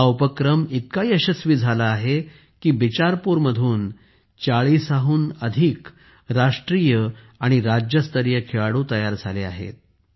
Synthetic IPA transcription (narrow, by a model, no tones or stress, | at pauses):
awpəkɾəmit̪̚kaɦiəɕəsʋiːd͡zʱalaːɦe | kiːbit͡ɕaɾpuɾməd̪ʱuːn | t͡saɭiːsaɦuːnəd̪ʱiːk | ɾaʂʈɾiːjə | aɽ̃iɾad͡ʑjəst̪əɾjəkʰeɭaɽut̪əjaɾd͡zʱalea̰ɦḛt̪̚